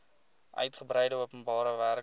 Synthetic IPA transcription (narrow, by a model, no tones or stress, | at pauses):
ʔœ̰ɥtχəbɾəjdəuəpənbɑːɾəværk